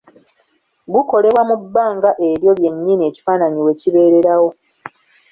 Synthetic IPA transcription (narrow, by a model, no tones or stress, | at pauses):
ɡuko̞le̞βwamubːaːŋɡaʔe̞ɾjo̞lje̞ɲːiːnie̞ːci̥faːnaɲiwe̞ciβe̞ːɾe̞ɾawo̞